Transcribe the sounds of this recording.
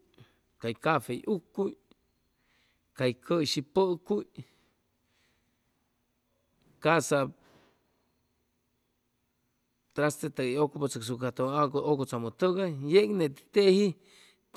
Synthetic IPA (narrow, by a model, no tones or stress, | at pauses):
kajkafejʔukːuj | kajkʰəʃipəkuj | kasap | t̪ɾast̪et̪aokopot͡saks̬ukat̪oakookot͡samot̪əɡajeknet̪i̥t̪ehi | t̪